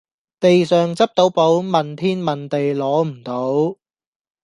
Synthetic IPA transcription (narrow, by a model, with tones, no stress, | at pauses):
t̪e˨jsœː˨ŋt͡sɐ˥p̚t̪o˨˥wpo˨˥wmɐ˨nt̪ʰiː˥nmɐ˨nt̪e˨jlɔː˨˥m̩˨˩t̪o˨˥w